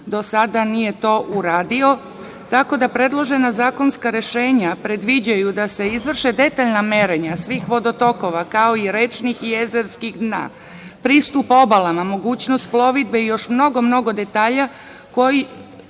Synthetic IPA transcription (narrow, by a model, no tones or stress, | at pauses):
d̪o̞sad̪anije̞t̪o̞ːʔuɾaːd̪io̞ | t̪ako̞d̪apɾe̞d̪lˠo̞ʒe̞nazaːko̞nskaɾe̞ʃe̞ːɲapɾe̞d̪ʋid͡ʑajud̪ase̞izʋr̩ʃed̪e̞t̪aʎname̞ɾeɲasʋiːxʋo̞d̪o̞t̪o̞ko̞ʋakao̞iɾet͡ʃnixjezeɾskixd̪na̰ː | pɾiːst̪upo̞balˠamamo̞ɡuːt͡ɕnost̪̚plˠo̞ʋid̪̚be̞ijo̞ʃmno̞ɡo̞mno̞ɡo̞d̪e̞t̪aːʎa | ko̞ji